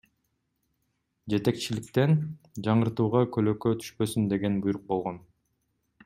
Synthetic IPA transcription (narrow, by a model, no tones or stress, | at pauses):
d͡ʒe̞t̪e̞k̚t͡ʃilɪkt̪e̞nd͡ʒɑɴɯɾt̪uːʁɑkʰøløkøt̪ʰy̥ʃpø̞synd̪e̞ɡe̞nbujɾuq̚bo̞lˠʁo̞n